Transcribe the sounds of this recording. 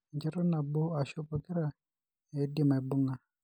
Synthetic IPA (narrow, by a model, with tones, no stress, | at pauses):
ɲd͡ʒɛ˦ɾɔ˦na˨bʊ˦a˨ʃʊ˦pɔ˨kɪ˦ɾa˨ | e˨˦dɪ˨ma˨ɛ˨bʊ˦ŋa˨